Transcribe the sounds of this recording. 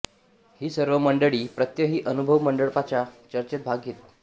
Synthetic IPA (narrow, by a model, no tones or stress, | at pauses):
hiːsəɾʋəməɳɖəɭiːpɾət̪jəɦiːʔənubʱəʋməɳɖəɭpat͡ɕjat͡ɕəɾt͡ɕet̪̚bʱaɡiːt̪̚